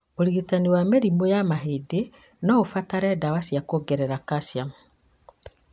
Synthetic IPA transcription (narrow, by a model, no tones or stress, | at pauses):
oɾiɣitaniwameɾimojamaɦede | nɔofataɾɛdawasiakoɡɛɾɛɾakasjam